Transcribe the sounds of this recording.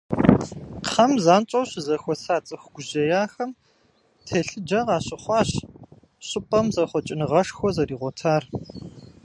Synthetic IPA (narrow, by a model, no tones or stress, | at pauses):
χʰɐmzaːnt͡ʃʼɐwɕzɐxʷɔsaːt͡sʼɨxʷɡʷʊʑɐjaːxɐm | tʰɐɬɨd͡ʒɐʁɑːɕɪχʷɑːɕ | ɕʼɪpʼɐmzɐχʷɔt͡ʃʼɪnɨʁɐʂxʷɔzɐriːʁʷɔtʰaːr